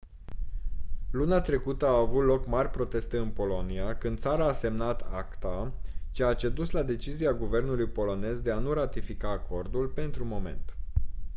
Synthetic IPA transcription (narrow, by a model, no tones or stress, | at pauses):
lunat̪ɾe̞kut̪əaːvut̪lo̞kmarʲpɾo̞t̪e̞st̪eɨnpo̞lo̞niakɨnd̪t̪saɾaːse̞mnat̪akt̪at͡ʃeat͡ʃe̞d̪uslad̪e̞t͡ʃiziaɡuve̞rnulujpo̞lo̞ne̞zd̪e̞anuɾat̪ifikaːkʰo̞rd̪ulpe̞nt̪ɾumo̞me̞̰nt̪